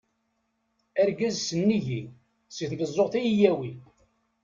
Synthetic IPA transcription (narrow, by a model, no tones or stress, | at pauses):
æɾɡæzsənːiʝi | səθðəzˤːoʁθæjijæwi